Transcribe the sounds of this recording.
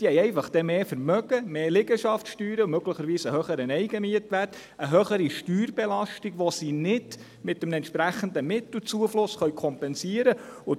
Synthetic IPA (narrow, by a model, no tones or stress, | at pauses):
d̥ihɛjɛɪfɑχd̥ɛmeːfəɾmœɡəmeːlɪɡəʃɑftʃtyːɾəmøɡləχəɾʋiːsəhøχəɾənɛjɡ̥əmiətʋært | əɦœχəɾiʃtyːrbɛlɑʃtiɡʋɔsiːnɪd | mɪtəmnɛntʃpɾæχən̩d̪əmɪt̪l̩t͡suəflʊsχœɥkʰɔmpɛnsiəɾəʊ